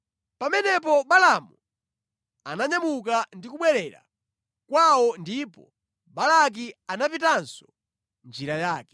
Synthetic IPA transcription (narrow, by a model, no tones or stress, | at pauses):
pamɛnɛp̬ɔɓalamu | a̰naɲamukandikuɓwɛɾɛɾa̰ | kwawɔndipɔ̰ | balak̬ianapitansɔ̥ | nd͡ʒiɾajaːkɛ̥